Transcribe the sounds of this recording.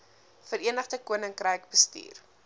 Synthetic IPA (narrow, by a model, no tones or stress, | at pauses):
fəɾiənəχdəkuənəŋkrəjkbəstḭːr